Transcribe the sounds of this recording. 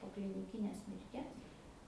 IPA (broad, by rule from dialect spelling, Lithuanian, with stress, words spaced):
poː klʲɪnʲɪˈkʲɪnʲeːs mʲɪrʲˈtʲiɛs